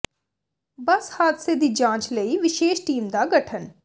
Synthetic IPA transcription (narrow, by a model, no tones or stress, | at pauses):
bəshaːt̪sed̪iːd͡ʒãːt͡ʃləiːʋɪʃeːʃʈiːmd̪aːɡəʈʰən